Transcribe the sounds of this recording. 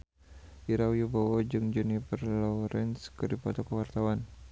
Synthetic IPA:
ʔiɾawjubawɔd͡ʒɨŋd͡ʒɛnifərlɔɾɛnskədipɔt̪ɔkəwart̪awan

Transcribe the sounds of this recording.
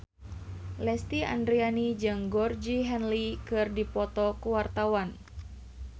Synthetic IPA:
lɛst̪ia̰ndɾianid͡ʒɨŋɡɔrd͡ʒiɦɛnlikɨrdipɔt̪ɔkuwart̪awan

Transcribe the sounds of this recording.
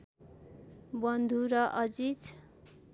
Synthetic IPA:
bʌnd̪ʱuɾʌʔʌd͡zit

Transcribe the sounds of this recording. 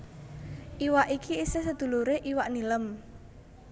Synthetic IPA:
ʔiwaʔikʰiisesəd̪̥ṳluɾeʔiwaʔniləm

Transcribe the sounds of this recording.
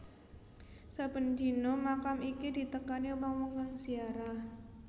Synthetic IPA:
sabənd͡ʒinomakamikidit̪əkaniubaŋmuŋkaŋsiaɾah

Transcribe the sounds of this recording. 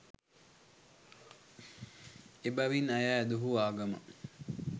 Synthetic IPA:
ebaʋinajaːd̪uɦuaːɡɐmə̰

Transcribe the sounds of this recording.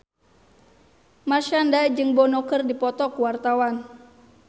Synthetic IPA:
marʃandad͡ʒɨŋbɔnɔkɨrdipɔt̪ɔkuwart̪awan

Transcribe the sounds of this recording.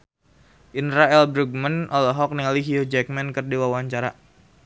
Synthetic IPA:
ʔinɾaɛlbɾuɡ̚mənʔɔlɔɦɔk̚niŋaliɦiod͡ʒɛk̚mɛnkɨrdiwawaɲt͡ʃaɾa

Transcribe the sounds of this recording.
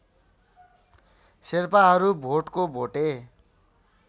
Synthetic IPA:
serpaɦʌɾubʱoʈkobʱoʈe

